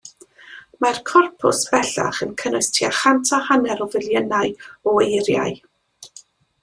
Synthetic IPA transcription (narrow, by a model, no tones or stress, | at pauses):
markʰɔrpʰʊ̰sv̥ɛɬa̰χənkʰənʊɨstʰiaχantʰahanɛɾɔvɪlˠjənaɨɔejrja̰ɨ